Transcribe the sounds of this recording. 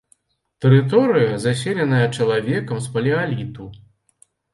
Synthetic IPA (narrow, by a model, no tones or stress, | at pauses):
t̪ɛɾɨt̪ɔɾɨjɐzasʲɛlʲɛnɐjɐt͡ʂɐlˠavʲɛkɐmspɐlʲialʲit̪u